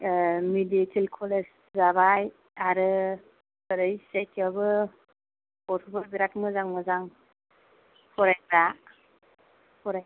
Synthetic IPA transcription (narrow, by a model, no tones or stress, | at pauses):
miditʰilkʰɔles | zabaj | aɾɯ | ɯɾɯjsetʰjabɯ | ɔɾtʰubaɾbiɾatmɯzaŋmɯzaŋ | hʰɔɾajbɾa | hʰɔɾaj